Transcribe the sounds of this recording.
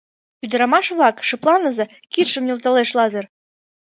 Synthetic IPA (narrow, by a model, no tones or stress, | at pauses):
pʲyd̪ɘ̆ɾɑmɑʃβɑkʃɤ̆plˠɑnɤ̆zɤ̆ | kit̪ʃə̆mnʲult̪ɑleʃlˠɑzɤ̆r